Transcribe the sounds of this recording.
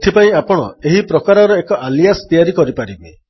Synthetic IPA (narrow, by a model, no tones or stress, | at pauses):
t̪ʰipaĩapɔɽ̃ɔ̰eɦipɾɔkaɾɔɾɔekɔʔalijast̪ijaɾikɔɾipaɾibi